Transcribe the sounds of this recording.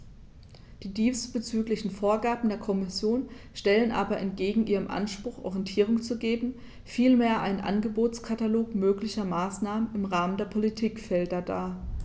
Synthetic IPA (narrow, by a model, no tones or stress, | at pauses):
d̥iːdiːstb̥ət͡syːklɪçn̩foːɐɡaɐbm̩deːɐkʰɔmɪsjoːn | ʃtɛlənʔaːbɐʔɛntɡ̥eːɡŋ̩ʔiːʁ̞əmʔa̰nʃpʁ̥ʊxʔɔ̰ʁijɛntʰiːʁ̞ʊŋt͡suɡeːbm̩ | fiːlmeːɐʔa̰ɪnənʔa̰nɡəboːt͡skʰataloːkmøːklɪçɐmaːsnaːmənɪmʁaːməndeːɐpʰolitʰiːkfɛldɐdaː